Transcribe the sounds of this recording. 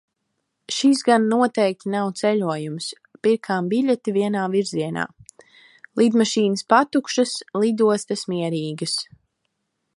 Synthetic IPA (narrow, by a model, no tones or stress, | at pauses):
ʃisɡanːuɔt̪ɛjk̚t̪ʲinawt̪sɛlʲuɔjums | piɾkʰaːmbiʎʲɛt̪iviɛnaːviɾziɛna̰ː | lˠid̪maʃiːnəspat̪ukʃɐslˠid̪uɔst̪ɐsmiɛɾiːɡɐs